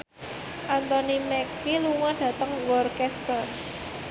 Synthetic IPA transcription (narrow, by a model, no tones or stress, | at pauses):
ʔant̪ɔnimɛkiluŋɔɖ̥ä̤t̪əŋwɔrkɛst̪ər